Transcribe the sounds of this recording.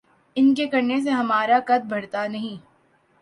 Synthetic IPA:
ɪnkekɐɾnes̬eɦɐmaːɾakɐd̪̚bʱɐɽt̪anɐɦĩː

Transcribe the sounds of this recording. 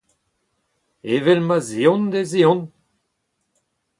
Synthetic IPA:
evɛlmazeɔ̃nd̪eziɔ̃n

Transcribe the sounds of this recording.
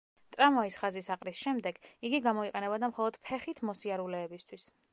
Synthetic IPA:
t̪ʼɾamɔisχazisaqʼɾisʃɛmd̪ɛɡiɡiɡamɔiqʼɛnɛbad̪amχɔlˠɔd̪̥pʰɛχit̪ʰmɔsiaɾulɛːbist̪ʰwis

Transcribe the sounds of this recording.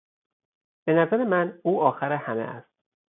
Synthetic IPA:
b̥e̞næzæɾe̞mænuːɒːxæɾehæmḛʔæ̰st̪̚

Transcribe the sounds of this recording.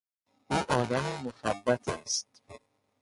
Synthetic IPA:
ʔuːʔɒːd̪æmemoxæbːæt̪ʰæ̰st̪

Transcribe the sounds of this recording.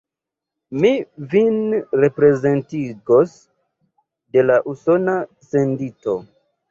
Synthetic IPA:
mivinɾe̞pɾe̞ze̞ntiɡo̞s | de̞laʔuso̞nase̞ndito̞

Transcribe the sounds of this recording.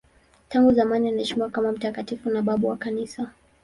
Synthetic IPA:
taŋɡuzamanianaɛʃimiwakamam̩takatifunaɓaɓuwakanisa

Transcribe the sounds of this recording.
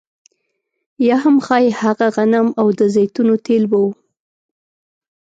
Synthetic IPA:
jɑɦamxɑjehaɣaɣanamawd̪əzet̪unot̪ʰelbawu

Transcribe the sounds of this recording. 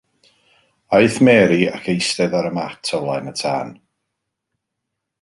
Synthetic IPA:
ajθmɛːɾia̰kʰejstɛðaɾəmatʰɔwlˠajnətʰa̰ːn

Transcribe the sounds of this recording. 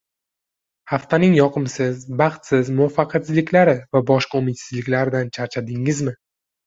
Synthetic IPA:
haft̪ʰanɪŋjɒqʰɨmsɪzbɑχt̪sɪzmʊvafːɑqʰɑsɪzlɪkʲlaɾɪvabɒʃqɑumɪt̪sɪzlɪkʲlaɾɪd̪ant͡ʃʰaɾt͡ʃʰad̪ɪŋɪzmɪ

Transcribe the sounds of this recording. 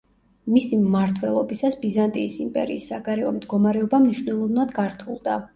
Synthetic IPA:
misimːaɾt̪ʰwɛlˠɔbisasbizant̪ʼiːsimpʼɛ̰ɾḭːsːaɡaɾɛɔmd̪ɡɔmaɾɛɔbamniʃwnɛlˠɔvnad̪ɡaɾt̪ʰṵlˠd̪a

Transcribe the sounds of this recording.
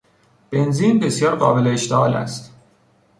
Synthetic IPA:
b̥e̞nziːnbe̞sijɒːɾɢɒːbe̞leːʃt̪eʔɒːlæ̰st̪

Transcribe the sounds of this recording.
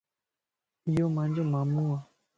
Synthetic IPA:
jomãnd͡ʒomamua

